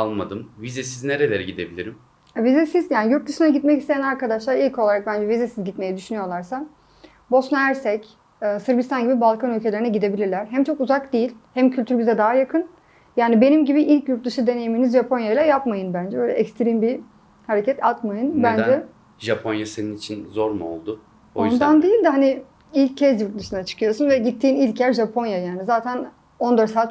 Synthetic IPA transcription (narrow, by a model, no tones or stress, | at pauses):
alˠmad̪ɯmvizɛsizneɾelʲeɾɛɟid̪e̞̰bilʲiɾim | ɛvizɛsizjaːnijuɾt̪̚d̪ɯʃɯnaɟit̪mɛcist̪e̞jænaɾkad̪aʃlˠaɾilʲcʰo̞lˠaɾak̚bænd͡ʒɛvizɛsizɟit̪me̞jɛd̪yʃynyjo̞lˠaɾsa | bo̞snaæɾsɛcː | sɯɾbist̪anɟibibalˠkʰanylʲcʰe̞lʲeɾinɛɟid̪e̞bilʲiɾlʲæɾɦæmt͡ʃʰo̞kuzakd̪ijilʲhæmcʰylʲt̪ʰyɾbizɛd̪aɦajakʰɯn | jaːnibe̞nimɟibiʔilʲcjuɾt̪lˠɯʃɯd̪e̞ne̞jiminizʒapʰo̞njajlˠajapmajɯnbænd͡ʒɛbøjlʲɛ̰ɛkst̪ʰɾimbi | haɾe̞cʰɛt̪ʰat̪majɯnbænd͡ʒɛ | ʒapʰonjaseninit͡ʃʰinzo̞ɾmuo̰lˠd̪ʊ | boojnd̪and̪ejilʲd̪hani | ilʲccʰːɛzjuɾt̪̚lˠɯʃɯnat͡ʃʰɯ̥kʰɯjo̞sunvɛɟit̪ʰːiːnilʲcjæɾʒapʰo̞njajaːnizaːt̪ʰæn | o̞nd̪aɾsaːt̪